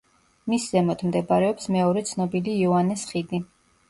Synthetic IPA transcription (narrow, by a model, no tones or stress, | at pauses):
miszɛmɔt̪ʰmd̪ɛbaɾɛɔpsmɛɔɾɛt̪sʰnɔbiliːɔanɛsχid̪i